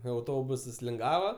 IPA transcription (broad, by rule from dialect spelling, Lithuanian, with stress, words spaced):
ɐʊˈtoːbʊsɐs lʲɪŋˈɡɑːʋɐ